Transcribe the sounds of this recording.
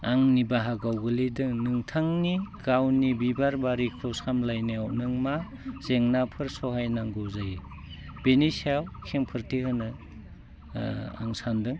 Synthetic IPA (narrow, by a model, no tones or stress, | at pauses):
aŋnibaɦaɡawɡɯlidɯŋnɯŋtʰaŋniɡawnibibaɾbaɾikʰɔsamlajneawnɯŋma | z̥eŋnapʰɯɾsɔɦajnaŋɡɔwzaji | b̥enisawkʰeŋpʰɯɾtʰihɯnɯ | a̰ŋsandɯŋ